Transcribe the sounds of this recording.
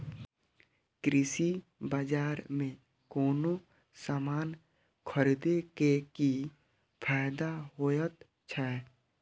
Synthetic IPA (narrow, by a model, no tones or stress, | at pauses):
kɾɪsi | bad͡ʒaːɾmẽ | kɔːno | saːmaːn | kʰəɾid̪ekeki | pʰaːɪd̪aɦojət̪ | t͡ʃʰaɛ